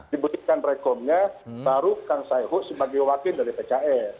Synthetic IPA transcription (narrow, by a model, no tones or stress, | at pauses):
dibut̪ikanrɛkɔmɲabaɾukaŋsajɦʊʔsəbaɡajwakɪndaɾipet͡ʃaʔɛr